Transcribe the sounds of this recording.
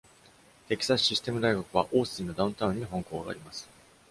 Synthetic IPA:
t̪e̞kʲi̥sḁɕisɨ̥t̪e̞mɯ̟d̪aiɡakɯ̟βaʔoːsɨĩnːo̞d̪aɯ̃nt̪aɯ̟̃ɲ̟ːiɦõ̞ŋko̞ːɡa̰ːɾʲimasɨ̥

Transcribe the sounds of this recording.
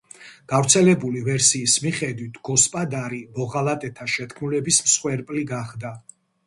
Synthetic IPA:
ɡ̥avɾt̪sʰɛlɛbulivɛɾsiːsmiχɛd̪wit̪ʰɡ̥ɔspʼad̪aɾimɔʁalat̪ʼɛt̪ʰaʃɛt̪̚ʰkʰmulɛbismsχwɛɾpʼliɡaχd̪a

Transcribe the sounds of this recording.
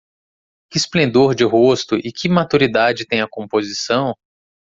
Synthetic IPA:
kɪsplẽnd̪oɾd͡ʒɪɦost̪ʊʔɪkʰɪmat̪uɾid̪ad͡ʒɪt̪ẽj̃ɐkõmpozisɐ̃w̃

